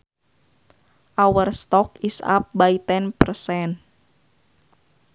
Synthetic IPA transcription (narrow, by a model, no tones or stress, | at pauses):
ʔawərst̪ɔk̚isa̰p̚bait̪ɛnpərsɛn